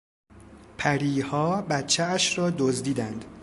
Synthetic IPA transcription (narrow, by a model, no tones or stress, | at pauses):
pʰæɾiːhɒːbæt̪t͡ʃʰːeæʃɾɒːd̪ozd̪iːd̪ænd̪̥